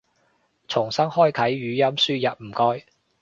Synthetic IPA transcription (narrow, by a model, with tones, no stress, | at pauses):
t͡sʰʊ˨˩ŋsɐ˥ŋhɔː˥jkʰɐ˨˥jːyː˨˥jɐ˥msyː˥jɐ˨p̚m̩˨˩kɔː˥j